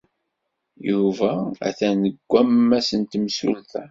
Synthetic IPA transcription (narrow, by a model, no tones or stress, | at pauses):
juvææ̰θænəɡʷːæmːæsənt̪msṵlθæ